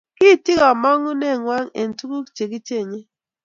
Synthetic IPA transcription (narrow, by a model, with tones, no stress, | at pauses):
ki˦˨ti˦ɣɔ˨mɔ˦ŋu˦ne˦˨ŋʷa˦ŋḛ˨n̩˨tu˦ku˦˨t͡ʃe˨ki˦t͡ʃe˦e˨ɲe˦